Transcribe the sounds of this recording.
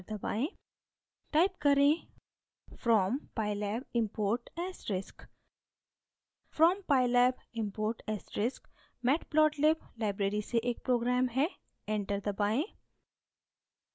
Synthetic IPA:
ɾd̪əba̰ːẽ | ʈaːɪp̚kɐɾẽ | fɾɔːmpaːɪlɛːbɪ̃mpoːɾʈɛːsɾɪsk | fɾɔːmpaːɪlɛːbɪ̃mpoːɾʈɛːsɾɪsk | mɛːʈplɔːʈlɪblaːɪbɾeːɾiseʔeːk̚pɾoːɡɾaːmɦɛ | ɛ̃ɳʈəɾd̪əbaːẽ

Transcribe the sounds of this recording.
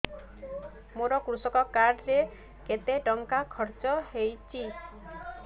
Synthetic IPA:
moɾɔkɾusɔkɔkaɽɾe | ket̪eʈɔŋkakʰɔɾt͡ʃɔɦejt͡ʃʰi

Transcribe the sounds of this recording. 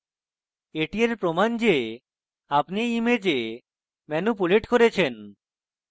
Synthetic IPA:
eʈieɾpɾomand͡ʑe | apniimed͡ʑe | mɛnupuleʈkoɾet͡ɕʰen

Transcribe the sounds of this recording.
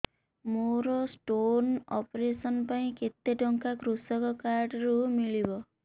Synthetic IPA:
moɾɔsʈonɔpɔɾesɔnpaĩket̪ːeɖɔŋkakɾusɔkɔkaɾɖɾumiɭibɔ

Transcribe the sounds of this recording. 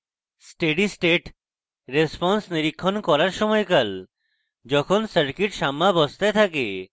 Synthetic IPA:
sʈeɖisʈeʈ | ɾespɔnsniɾikʰːɔnkɔɾaɾʃɔmɔjkəl | d͡ʒɔkʰɔnsəɾkiʈʃamːabɔst̪at̪ʰake

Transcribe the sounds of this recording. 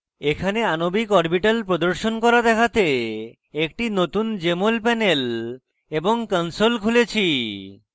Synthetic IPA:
ekʰaneanobikɔɾbiʈalpɾod̪oɾʃonkɔɾad̪ɛkʰat̪e | ekʈinot̪und͡ʑemolpɛnel | eboŋkənsolkʰulet͡ɕʰi

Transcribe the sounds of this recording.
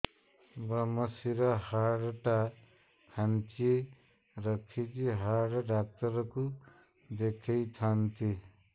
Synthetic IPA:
bɾʌmʌsiɾʌɦaɽʈa | kʰant͡ʃi | ɾʌkʰit͡ʃiɦaɽɖak̚t̪ʌɾku | d̪ekʰijt̪ʰant̪i

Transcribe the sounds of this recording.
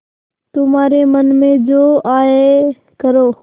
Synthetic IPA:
t̪ʊmaːɾemənmẽd͡ʑoːaːɦe | kɐɾoː

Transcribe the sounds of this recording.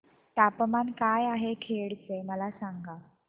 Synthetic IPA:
ʈ̪apmankajaɦekʰeɭt͡seməlasaŋɡa

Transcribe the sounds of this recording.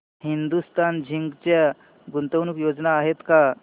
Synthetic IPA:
hind̪ust̪and͡ʑʱiŋɡt͡ɕa | ɡunt̪əwnukjod͡znaːɦet̪ka

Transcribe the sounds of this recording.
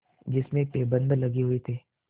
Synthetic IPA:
d͡ʒɪsmẽpeːbə̃nd̪lɐɡiɦʊit̪ʰiː

